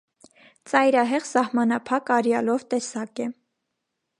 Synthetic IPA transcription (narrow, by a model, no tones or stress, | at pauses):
t͡sɑjɾɑɦɛʁsɑhmɑnɑpʰɑkɑɾjɑlɔvt̪ɛsɑkɛ